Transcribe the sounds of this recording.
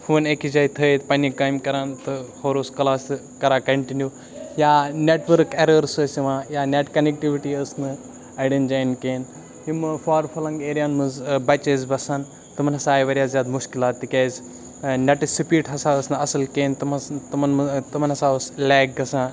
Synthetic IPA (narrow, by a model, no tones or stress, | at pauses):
funekid͡ʒɐjt̪ʰət̪pɐnikaːjmkɐɾaːnt̪ɨhoɾoskɐlaːs | kɐɾaːkɐɳʈinju | jaːneʈʋəɾkeɾəɾsəsiʋãːjaːneʈkɐnek̚ʈiʋiʈiɐsnɨ | ɐɽend͡ʒajnkeːn | jimɨfaːɾfʰɐlɐŋɡeːɾijaːnmɨzbɐt͡ʃezbɐsaːn | t̪ɨmɐnɐsaːjʋɐɾʲjaːzʲjaːd̪muʃkilaːt̪ːikʲeːz | nɐʈisipiːʈɦɐsaːəsnɨɐsɐlkeːnt̪ɐmt̪umɐnt̪ɐmɐnɦɐsaːəslɛːɡ̚ɡɐsãː